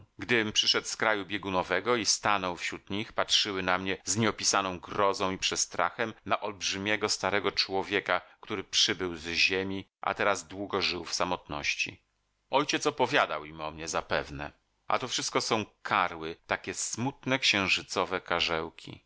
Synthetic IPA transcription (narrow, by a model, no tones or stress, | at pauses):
ɡd̪ɘpʂɘʂɛt̪skɾajubʲjeɡunɔvɛɡɔist̪anɔwfɕɾut̪ɲixpatʂɘwɘnamɲɛzɲɛɔpʲisanɔ̃w̃ɡɾɔzɔ̃w̃ipʂɛst̪ɾʔa̰xɛmnaʔɔlbʐɘmʲjɛɡɔst̪aɾɛɡɔt͡ʂwɔvʲjekakt̪uɾɘpʂɘbɘwzʑemʲiʔa̰t̪ɛɾazd̪wuɡɔʐɘwfsamɔt̪nɔ̰ɕt͡ɕḭ | ɔjt͡ɕɛt̪sɔpɔvʲjad̪a̰wimɔmɲɛzapɛvnɛ̰ | a̰t̪ɔfʂɘst̪̚kɔsɔ̃w̃kʰaɾwɘt̪akʲɛsmut̪nɛkɕɛ̃w̃ʐɘt̪sɔvɛkaʐɛwkʲʰḭ